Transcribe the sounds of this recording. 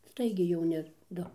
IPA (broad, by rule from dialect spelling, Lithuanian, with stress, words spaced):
ˈstɐɪɡʲɛɪ jɛʊˈnʲɪ ˈdʊ